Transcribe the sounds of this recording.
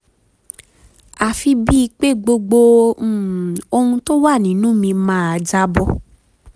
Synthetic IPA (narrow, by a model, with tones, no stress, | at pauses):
a˨fi˧bi˦i˧k͡pe˦ɡ͡bo˧ɡ͡bo˧˦˨ | o˧hũ˧to˦wa˦˨nĩ˨˦nũ˦mĩ˧mãː˦a˧d͡ʒa˦bɔ˧